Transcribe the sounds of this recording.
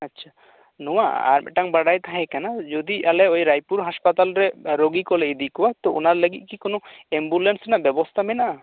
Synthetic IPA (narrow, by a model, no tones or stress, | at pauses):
atːʃʰa | nɔwaʔa̰ɾmɛ̰ʈaŋbaɽajt̪aɦɛ̃kanad͡ʒɔd̪iʔalɛɔjɾajpuɾɦaspat̪alɾɛɾoɡikɔlɛid̪ikɔwat̪ɔɔnaɾləɡit̪̚ˀkikɔnɔɛmbulɛnsnaʔbɛbɔst̪ʰamɛnaʔa